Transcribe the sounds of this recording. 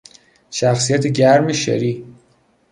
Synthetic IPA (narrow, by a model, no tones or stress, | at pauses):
ʃæxsijæt̪ʰeɟæɾmeʃḛɾiː